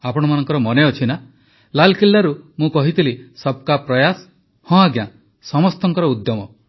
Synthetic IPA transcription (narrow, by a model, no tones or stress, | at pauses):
apɔɽ̃ɔmanɔŋkɔɾɔmɔneɔt͡ʃʰina | lalkilːaɾumũkɔɦit̪ilisɔb̚kapɾɔjas | hɔ̃aɡja | sɔmɔst̪ɔŋkɔɾɔud̪jɔmɔ